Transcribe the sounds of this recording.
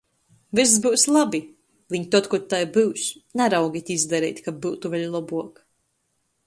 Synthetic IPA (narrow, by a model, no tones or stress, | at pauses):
vis̬sbɨwslˠabi | viɲt̪ɔt̪kɔt̪ːajbɨwsnaɾawɡʲit̪ʲizd̪aɾɛːt̪ʲkabɨwt̪uvɛʎʲlˠɔbuɔk